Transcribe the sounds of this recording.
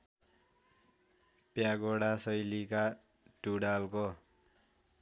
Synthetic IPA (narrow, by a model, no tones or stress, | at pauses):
pjaɡoɽasʌjlika | ʈuɽalko